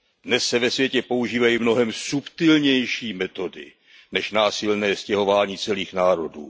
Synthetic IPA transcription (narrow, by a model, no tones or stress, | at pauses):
dnɛsːɛvɛsvjɛcɛpo̞uʒiːvajimno̞ɦɛmsupt̪ɪlɲɛjʃiːmɛt̪o̞dɪ̰ | nɛʃnaːsɪlnɛːscɛɦo̞vaːɲiːt͡sɛliːxnaːɾo̞dṵː